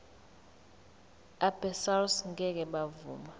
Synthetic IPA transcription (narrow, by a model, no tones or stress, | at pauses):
abɛsalsŋɡʱɛk̬ɛɓavṵːma